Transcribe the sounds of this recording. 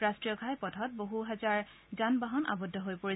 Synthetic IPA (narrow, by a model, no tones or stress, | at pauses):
ɹastɹijɔɡʱajpɔtʰɔt̚boɦuɦɛzaɹ | zanbaɦɔna̰bɔdʱːɔɦojpoɹi